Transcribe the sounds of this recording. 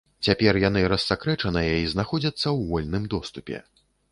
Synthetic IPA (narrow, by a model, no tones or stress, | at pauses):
t͡sʲapʲɛrjanɨɾɐsːakɾɛt͡ʂɐnɨjɐiznaxɔd͡zʲɐt̪sːɐwɣɔlʲnɨmd̪ɔst̪upʲɛ̰